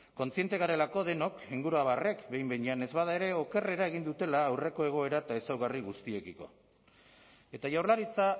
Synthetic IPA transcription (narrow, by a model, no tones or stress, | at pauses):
ko̞nt͡sie̞nt̪e̞ɣaɾe̞lako̞ð̞e̞no̞kiŋɡuɾuaβare̞kbe̞jmbe̞ɲane̞zβað̞ae̞ɾe̞o̞ke̞re̞ɾae̞ɣ̞ind̪ut̪e̞laːwre̞ko̞e̞ɣ̞o̞e̞ɾaet̪ae̞sawɣariɣust̪ie̞kiko̞̰ | e̞t̪aʝawɾlaɾit͡sa